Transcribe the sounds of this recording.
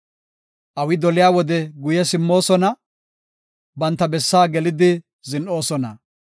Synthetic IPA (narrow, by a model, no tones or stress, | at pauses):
ʔɐwɪd̪ɔlɪjaːwɔd̪ɛɡʊjɛsɪmːo̞ːsɔnɐ | bɐnt̪ːɐbɛsːaːɡɛlɪd̪ɪ | zɪnʔo̞ːsɔnɐ̰